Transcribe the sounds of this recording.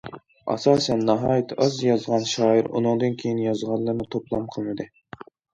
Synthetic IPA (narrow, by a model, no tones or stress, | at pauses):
ɑ̰sɑːsɛnːɑɦɑːjit̪ʰɑzjɑzʁɑnʃɑːiɾṵnɨŋd̪ɨnkʲʰejinjɑzʁɑlˠːɨɾnɨt̪ʰoplˠɑmqʰəlˠɨnɨd̪ɨ